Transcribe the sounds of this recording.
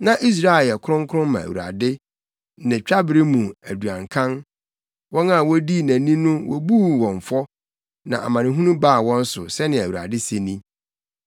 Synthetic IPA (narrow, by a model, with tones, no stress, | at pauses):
nã˨ʔi˦s̬ɾa˦e˨ɛ˨kʰʊ˦ʊ̃˦ŋ˦kʰʊ˦ʊ̃˦mã˨æ̰˨ṵ˨ɾa̰˨dɪ˦ | nɪ̃˨t͡ɕᶣa˦bɪ˨ɾɪ˦mũ˨æ˨du˨ã˨ŋkʰã˦n | wɔ̃˦na˦˨wɔ˦di˦˨næ̃˨nĩ˦nʊ̃˦wʔɔ̰˦buː˦˨wɔ̃˨ɱ˨fɔ˦ | nã̰˨ʔa̰˨mã˨nɪ̃˦ɦũ˦nũ˦ba˦˨wɔ̃˦n˦sʊ˨sɛ˦nɪ̃˨æ˨wu˨ɾa̰˨dɪ˦se˨nĩ˦